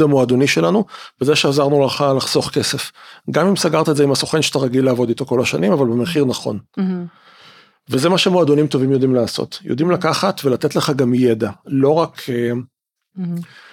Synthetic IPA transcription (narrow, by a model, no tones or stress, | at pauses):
amoad̪oniʃe̞lanuvezeʃeazaʁnulaχalaχso̞χke̞se̞fɡamimsaɡaʁt̪aetzeimhaso̞χenʃeat̪aʁaɡileːvo̞d̪ito̞ko̞laʃanimavalbemeχiʁnaχo̞̰n | vezemaʃe̞moad̪onimto̞vimjo̞d̪imlaːso̞̰tjo̰dimlakaχatve̞lat̪etleχaɡamjedalo̞ʁake